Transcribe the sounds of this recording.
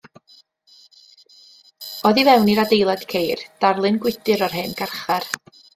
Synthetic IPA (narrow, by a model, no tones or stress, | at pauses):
ɔðivɛwniɾadejlˠad̥kʰejrd̥arlˠɨnɡwɪdɨɾɔrɦɨnɡ̥arχar